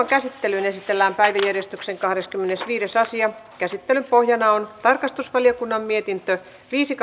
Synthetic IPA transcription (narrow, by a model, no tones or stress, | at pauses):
ɑŋkæsit̪ːelynesit̪elːæːmpæiʋæjærjest̪ykseŋkɑhɾeskymːenesʋiːɾesɑsiɑkæsit̪ːelympohjɑnɑont̪ɑrkɑst̪usʋɑliokunːɑmmiet̪int̪ø | ʋiːsik